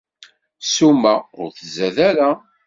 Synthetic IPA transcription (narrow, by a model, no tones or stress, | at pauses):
sumːæʊɾθəzæðæɾa